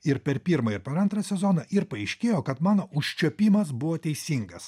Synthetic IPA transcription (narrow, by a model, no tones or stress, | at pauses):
ɪɾpʲɛɾpʲiːɾmɐɪɾpʲɛɾɐnt̪ɾɐsʲɛzoːnɐʔɪɾpɐɐɪʃʲkʲeːjoːkɐt̪mɑːnoːʔʊʃʲt͡ʃʲoːpʲiːmɐsbʊʋoːt̪ʲɛɪsʲiːŋɡɐs